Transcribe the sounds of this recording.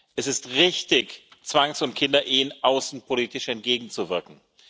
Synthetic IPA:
ʔɛsɪstʁɪçtɪçt͡sv̥aŋsʊntkʰɪndɐʔiːənʔaʊsn̩pʰoliːtɪʃɛnt̚ɡ̥eːɡŋ̩t͡suvɪɐkŋ̩

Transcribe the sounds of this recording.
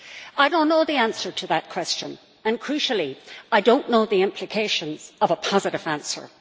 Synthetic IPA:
aɪɾõʊ̃nːoʊðiæ̃nsə˞ɾʰəðət̚kʰw̥ɛst͡ʃə̃n | ə̃nkʰɹ̥ʉʃl̩ˠiaɪdõʊ̃nːoʊðiɪ̃mpʰl̥ɨkʰeɪʃə̃nz̥ʌvəpʰɑzɨɾɨvæ̃nsə̰˞

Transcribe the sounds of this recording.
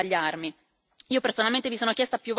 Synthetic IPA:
aʎːarmi | iːopersonalment̪evisoːnokjɛst̪apjuvː

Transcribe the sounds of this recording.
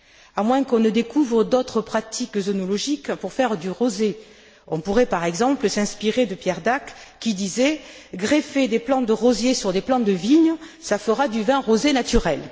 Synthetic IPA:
amwɛ̃kɔ̃nəd̪ekuvʁəd̪ɔt̪χəpχat̪ikzɔnɔlɔʒikpuʁfɛʁd̪yʁoze | ɔ̃puʁɛpaʁɛɡzɑ̃pləsɛ̃spiʁed̪əpjɛʁd̪akːid̪izɛɡʁefed̪eplɑ̃d̪əʁɔzjesyʁd̪eplɑ̃d̪əviɲsafəʁad̪yvɛ̃ʁozenat̪yʁɛl

